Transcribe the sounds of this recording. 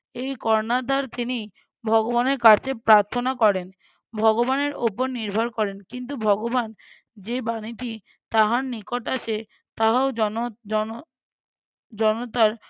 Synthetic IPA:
ejkɔɾnad̪ʱaɾt̪ini | bʱɔɡobaneɾkaɾt͡ɕepɾaɾt̪ʰonakɔɾen | bʱɔɡobaneɾopoɾniɾbʱaɾkɔɾenkint̪̬ubʱɔɡoban | d͡ʑebaniʈi | t̪aɦaɾnikoʈaʃe | t̪aɦaoɔnoɔ | d͡ʑɔnot̪aɾ

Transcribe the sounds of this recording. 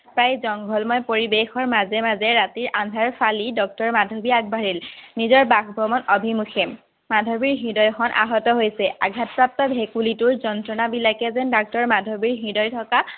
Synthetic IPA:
pɹajzɔŋɡʱɔlmɔjpoɹibexɔɹmazɛmazɛɹatiɹʔandʱaɹfʰalidɔk̚tɔɹmadʱobiaɡ̚baɹilnizɔɹbaxbʱɔmɔnɔbʱimuxʰɛm | madʱobiɹɦidɔjxɔnʔa̰ɦɔtɔɦojsɛa̰ɡʱatpap̚tɔbʱekulituɹzɔntɹɔnabilakɛzɛndak̚tɔɹmadʱobiɹɦidɔjtʰɔka

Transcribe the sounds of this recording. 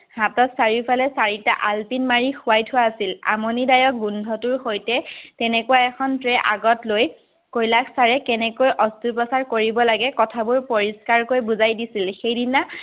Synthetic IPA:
hatɔtsaɹiɹpʰalɛsaɹita̰ʔalpinmaɹixʊwajtʰʊwaːsila̰mɔnidajɔk̚ɡundʱɔtʊɹxojtɛtɛnɛkuwaɛkʰɔntɹɛʔaɡɔtloj | kojlakʰsaɹɛkɛnɛkojʔɔstupɔsaɹkoɹibɔlaɡɛkɔtʰabʊɹpɔɹiskaɹkojbuzajdisilxejdina

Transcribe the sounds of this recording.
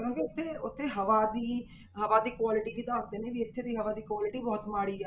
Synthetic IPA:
əɾõːkeʊt̪ʰːeːʊt̪ʰːeːɦəʋaːd̪iː | ɦəʋaːd̪iːkwaːlɪʈiːʋiːd̪əsd̪eːneːʋiːɪt̪ʰːeːd̪iːɦəʋaːd̪iːkwaːlɪʈiːbɔːt̪maːɽiːɛː

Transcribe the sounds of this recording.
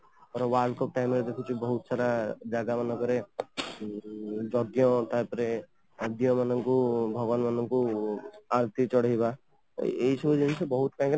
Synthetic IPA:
pɔɾɔwaɾlkɔp̚ʈajmeɾed̪ekʰut͡ʃʰibɔɦut̪saɾad͡ʒaɡamanɔkɔɾe | d͡ʒɔɡjɔ̃t̪aɦpɔɾe | əd̪jɔ̃manɔŋkubʱɔɡʋanmanɔŋku | aɾt̪it͡ʃɔɽ̤jba | eɦisɔbʱud͡ʒeɡisebɔɦut̪̚kãɦke

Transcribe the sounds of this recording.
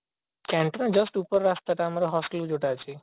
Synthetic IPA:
kɛ̃ɳʈnãd͡ʒəsʈupəɾːast̪aʈaːmaɾoɦɔsʈild͡ʒoʈat͡ʃʰe

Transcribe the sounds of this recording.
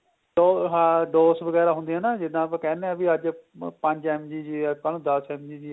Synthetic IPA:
ɖoːɦãːɖoːsʋəɡɛːɾaːɦʊ̃nd̪iːɦɛːnaːd͡ʒɪd̪ãːpãːkɛːneɛ̃biəd͡ʒpə̃ɲd͡ʒɛːmd͡ʒiːd͡ʒiːɛːkəlõːd̪əsɛːmd͡ʒiːd͡ʒiː

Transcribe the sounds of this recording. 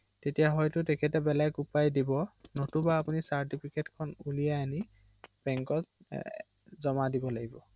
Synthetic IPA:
tetijaɦɔjtʊtɛkʰɛtɛbɛlajkupajdibɔnotubaːpunisaɹtipʰiketkʰɔnulijaani | b̥ɛŋkɔt | zɔmadibɔlaɡibɔ

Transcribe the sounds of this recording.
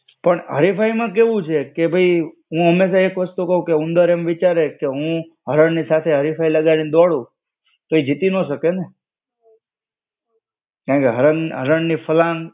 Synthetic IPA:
pəɳɦə̰ɾifaimãk̬eʋũt͡ʃʰekebʱəj | ɦũɦəmːeʃaekʋəst̪ukəɦũkeʊ̃nd̪əɾemʋit͡ʃaɾekeɦũ | ɦəɾəɳnisat̪ʰeɦəɾifailəɡanĩd̪ɔɽũ | t̪oid͡ʒit̪inoʃəkene | kãkeɦəɾənɦə̰ɾəɳnifəlãŋɡ

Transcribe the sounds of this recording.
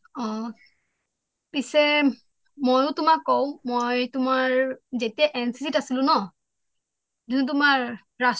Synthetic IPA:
ɔ | pisɛ | mojʊ̃tʊmakːow̃mojtʊmaɹzetijaʔɛnsisitasilʊ̃nɔ | zunut̬ʊmaɹː | as

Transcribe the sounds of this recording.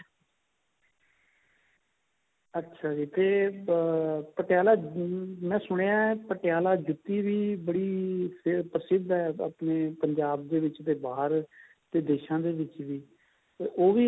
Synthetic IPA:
ətːʃʰaːd͡ʒiːt̪eː | pəʈɪjaːlaːmɛ̃ːsʊɽ̃eãːɛpəʈɪjaːlaːd͡ʒʊt̪ːiːʋiːbəɽiːpʰɪpɾəsɪd̪ɛːəpneːpəɲd͡ʒaːb̚d̪eːʋɪt͡ʃt̪eːbaːɦəɾ | t̪eːd̪eːʃãːd̪eːʋɪt͡ʃʋiː | oːʋiː

